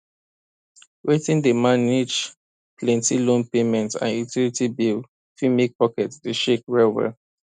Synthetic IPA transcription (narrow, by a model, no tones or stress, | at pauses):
wetĩndəmanid͡ʒ | plɛ̃ntilõnpemɛ̃ntã̰nutilitibil | fimik̚pɔkɛtdeʃekɹɛlwɛ̰l